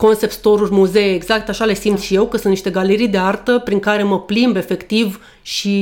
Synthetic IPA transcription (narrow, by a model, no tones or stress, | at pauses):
ko̞nse̞pst̪o̞ɾurʲmuze̞ːɡz̥ak̚t̪aʃale̞simt̪sʃije̞wkəsunt̪niʃt̪eɡaleɾijd̪e̞art̪əpɾiŋkaɾe̞məplimbe̞fe̞kt̪iv | ʃi